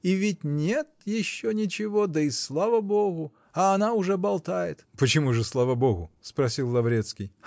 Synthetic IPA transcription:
ivʲɪtʲnʲet̪̚jɪɕːonʲɪt͡ɕɪvod̪əislˠavəboɣʊ | ɐːnaʊʐɛbɐlˠt̪ajɪt̪pət͡ɕɪmuʐɨslˠavəboɣʊspɾɐsʲilˠːɐvɾʲe̞t̪skʲɪj

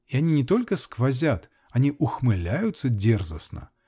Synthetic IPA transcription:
ianʲinʲɪt̪olʲkəskvazʲat̪ | anʲiʔʊxmɨlʲajʊt̪sːədʲɛrzɐsnə̰

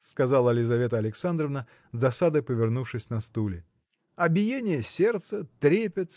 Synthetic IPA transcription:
skɐzalˠəɐlʲɪzɐvʲe̞t̪əɐlʲɪksand̪ɾəvnə | zd̪ɐsad̪əjpəvʲɪrnufʂɨsʲnɐst̪ulʲɪ | ɐbʲɪjenʲɪjəsʲe̞rt̪sət̪ɾʲepʲɪt̪

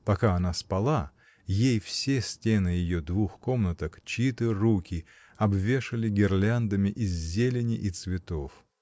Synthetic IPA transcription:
pɐkaɐn̪aspɐlˠa | jejfsʲesʲtʲenɨjɪjod̪vuxko̞mnət̪əkt͡ɕit̪ɨrukʲɪ | ɐbvʲe̞ʂɨlʲɪɡʲɪrlʲand̪əmʲɪʔɪzʲzʲelʲɪnʲɪʔit̪svʲɪt̪o̞f

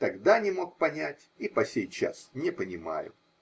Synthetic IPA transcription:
t̪ɐɡd̪anʲɪmo̞k̚pɐnʲætʲ | ipɐsʲejt͡ɕa̰snʲɪpənʲɪma̰jʊ̰

